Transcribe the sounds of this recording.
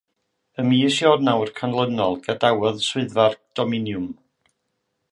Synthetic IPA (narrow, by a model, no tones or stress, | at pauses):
əmiːsjɔrnawrkʰanlˠənɔlˠɡadawɔðswɪɨðvard̥ɔmɪnjʊm